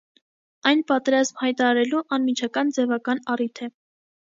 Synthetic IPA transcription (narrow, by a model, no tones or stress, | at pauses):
ɑjnpɑt̪ɛɾɑzmhɑjt̪ɑɾɑɾɛluʔɑnmit͡ʃʰɑkɑnd͡zɛvɑkɑnɑrit̪ʰɛ